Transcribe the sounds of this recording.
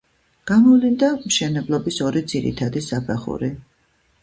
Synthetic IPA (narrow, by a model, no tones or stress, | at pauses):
ɡ̥amɔvlind̪amʃɛnɛblˠɔbisɔɾid̪z̥iɾḭt̪ʰad̪isapʰɛχṵɾi